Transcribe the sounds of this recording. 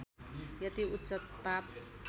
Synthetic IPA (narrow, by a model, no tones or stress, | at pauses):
jʌt̪iutt͡ʃʌt̪ːap